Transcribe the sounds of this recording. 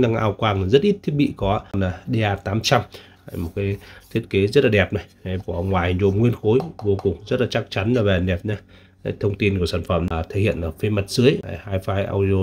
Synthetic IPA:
ɗa˧ŋʔa̰ː˧wkwaː˧ŋa˨˩zə˦˥t̚ʔi˦˥t̚t̪ʰi˦˥ət̚ɓḭ˧˨kɔ˨˦˧nlaː˨˩ɗe˧ʔaː˧t̪aː˨˦mt͡ɕa˧m | ha˧˩jmo˨˩t̚kaː˨˦jt̪ʰi˦˥ət̚ke˨˦zə˦˥t̚laː˨˩ɗɛ˨˩p̚na˨˩ja˨˩jvu˧˩˨wŋ͡mŋwaː˨˩hzo˨˩mŋwi˧ənxo˨˦jvo˧kʊ˨˩ŋ͡mzə˦˥t̚laː˨˩t͡ɕa˦˥k̚t͡ɕa˨˦nlaː˨˩vɛ˨˩nɗɛ˨˩p̚ɲaː˧ | a˨˦jt̪ʰə˧wŋ͡mt̪i˧nku˧˩əsaː˧˩nfə̰˧˩mlaː˨˩t̪ʰe˧˩hḭ˧˨ənʔəː˧˩fe˧mə˨˩t̚zɨ˨˦əja̰˧˨˩haː˧jfaː˧jʔa̰ː˧wi˧o˧

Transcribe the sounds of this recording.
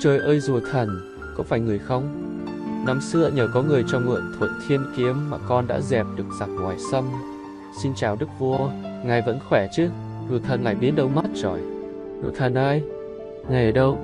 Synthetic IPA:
t͡ɕəː˧˩jʔəː˧jzu˨˩ət̪ʰə˨˩n | kɔ̰˧˥faː˧˩jŋɨ˨˩əjxə˧wŋ͡m | na˨˦msɨ̰˧˥əɲəː˨˩kɔ˨˦ŋɨ˨˩əjt͡ɕɔ˧wŋ͡mŋɨ̰˧˨ənt̪ʰu˨˩t̚t̪ʰi˧ənki˨˦əmːaː˨˩kɔ˧nɗa̰ː˧˥zɛ˨˩p̚ɗɨ˨˩ək̚z̥a˨˩k̚ŋwaː˨˩jsə˧m | si˧nt͡ɕaː˨˩wɗɨ˦˥k̚vu˧əŋaː˨˩jvə̰˧˥nxwɛ˧˩t͡ɕɨ˨˦ | vɨ˨˩t̪ʰə˨˩nŋaː˨˩jɓi˨˦ənɗə˧wma˦˥t̚zɔ̰˧˩j | no̰˧˨jt̪ʰə˨˩nʔa˧j | ŋaː˨˩jʔəː˨˩ɗə˧w

